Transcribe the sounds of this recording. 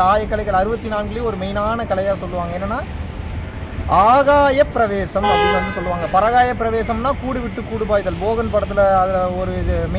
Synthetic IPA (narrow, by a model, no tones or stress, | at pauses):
aːjɐkːɐɭɐɪɣɐɭɐɾɯbɐt̪ːinaːnɡɐɭɪjɔɾɯmɛjnaːnɐkɐlɐjaːsɔlːɯʋaːŋɡɐɛnːɐnːaː | aːɣaːjɐpːɪɾɐʋeːsɐmɐpɽɪnɐnːɯsɔlːɯʋaːŋɡɐpɐɾɐɣaːjɐpːɪɾɐʋeːsɐmnãːkuːɽiʋɪʈːɯkːuːɽɯbaːɪðɐlboːɣɐnpɐɽɐt̪ːɪlɐɐðɐɔɾɯm